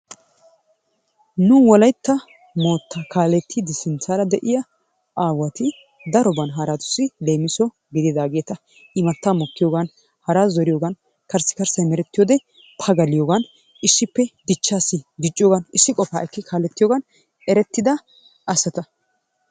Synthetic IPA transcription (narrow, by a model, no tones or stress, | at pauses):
nʊwɔlɐjt̪ːɐ | mo̞ːt̪ːɐkʰaːlɛt̪ʰːɪd̪ɪsɪnt͡saːɾɐd̪ɛʔɪjɐ | ʔaːwɐt̪ɪ | d̪ɐɾɔbɐnɦɐɾat̪ʊ̥sːɪle̞ːmɪsɔ | ɡɪd̪ɪd̪aːɡe̞ːt̪ɐ | ʔɪmɐt̪ːamɔkːɪjoːɡɐn | hɐɾaːzɔɾɪjoːɡɐn | kɐɾsːɪ̥kɐɾsɐjmɛɾɛt̪ːɪjoːd̪ɛ | t̪ʰɐɡɐlɪjoːɡɐn | ʔɪsːɪpːɛd̪ɪt͡ʃːaːsːɪd̪ɪt͡ʃʼːɪjoːɡɐnɪsːɪkʼɔfa̰ːʔɛkːɪkʰaːlɛt̪ːɪjoːɡɐn | ʔɛɾɛt̪ːɪd̪ɐ | ʔɐsɐt̪ɐ